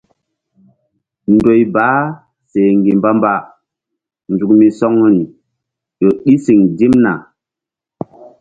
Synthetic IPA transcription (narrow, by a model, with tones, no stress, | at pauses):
ndo˨jbaː˨˦ | se˨ŋɡi˨mba˦mba˦ | nd͡ʒu˨kmi˨sɔ˦ŋu˦ni˨ | jo˨ɗi˦si˨ŋdi˦mna̰˨